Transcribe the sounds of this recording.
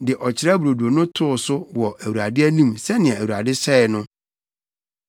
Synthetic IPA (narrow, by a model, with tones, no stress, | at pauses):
dɪ˨ʔɔ˨t͡ɕʰɪ˨ɾa˦bɾo˨du˨o˨nʊ̃˦tʰʊ˦ʊ˨sʊ˦wɔ˨ʔæ˨wu˨a˨dɪ˦æ˦nĩ˦msɛ˦nɪ̃˨ɛ̃˨æ˨wu˨a˨dɪ˦sɛ˦ɪ˨nʊ̃˦